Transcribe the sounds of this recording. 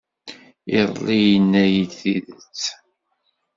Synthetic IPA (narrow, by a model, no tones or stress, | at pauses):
iðˤlːijənːæjid̪θiðət͡sː